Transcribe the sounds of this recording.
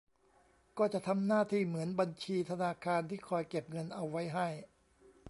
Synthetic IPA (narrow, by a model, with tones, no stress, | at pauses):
kɔː˥˩t͡ɕa˨˩ʔt̪ʰa˧mnaː˥˩t̪ʰiː˥˩mɯ˩˦ənba˧nt͡ɕʰiː˧t̪ʰa˧naː˧kʰaː˧nt̪ʰiː˥˩kʰɔː˧jke˨˩p̚ŋɤ˧nʔa˧wːa˦˥jɦa˥˩j